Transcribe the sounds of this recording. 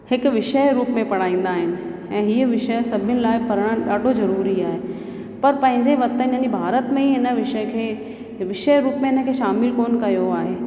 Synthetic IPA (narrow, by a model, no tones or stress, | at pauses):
hɪkʋɪʃəjɾuːpmẽpɐɽ̤aːĩːn̆d̪aːɦɪnɪ̆ | ɛ̃ːɦiːəʋɪʃəjsɐbʱɪnɪ̆laːɪpɐɾəɽ̃ə̃ɗaːɖʱozɐɾuːɾiaːɦe | pɐɾpɐ̃ɦɪ̃ɲd͡ʑeʋɐt̪əɪnə̃ibʱaːɾət̪mẽiɦɪnə̆ʋɪʃəkʰeː | ʋɪʃəɾuːpmẽɦɪnəkʰeːʃaːmɪlkoːnkɐjoaːɦeː